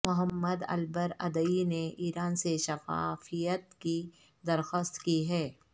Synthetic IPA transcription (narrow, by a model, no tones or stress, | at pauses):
mʊɦəmːəd̪ɐ̰lbəɾɐ̰d̪əineʔiːɾaːnseʃɐfa̰ːfijət̪ki | d̪ɐɾxoːst̪kiɦɛː